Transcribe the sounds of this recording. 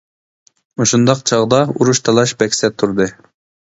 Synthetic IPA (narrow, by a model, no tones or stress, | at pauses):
moʃund̪ɑqt͡ʃʰɑʁd̪ɑuɾuʃt̪ʰɑlˠɑʃbɛkʲsɛt̪ʰːuɾd̪ɨ